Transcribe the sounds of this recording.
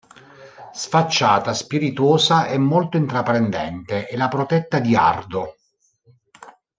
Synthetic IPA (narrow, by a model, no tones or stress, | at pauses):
sfat͡ʃːaːt̪aspiɾit̪uoːsaʔɛmːolt̪oint̪ɾapːɾend̪ɛ̰nt̪eʔɛlapɾot̪ɛt̪ːad̪ia̰rd̪o